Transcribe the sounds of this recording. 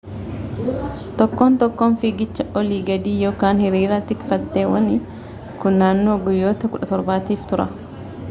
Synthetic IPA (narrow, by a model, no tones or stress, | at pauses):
t̪ɔkːoːnt̪ɔkːoːnfɪɡɪt͡ʃːɐʔɔliːɡɐd̪iːjo̞ːkaːnhɪɾiːɾɐt̪ɪkfɐd̪ːeːwɐ̰ni | kʊnːaːnːo̞ːɡʊjːo̞ːt̪ɐkʊᶑɐt̪ɔɾbaːt̪iːft̪ʊɾɐ̰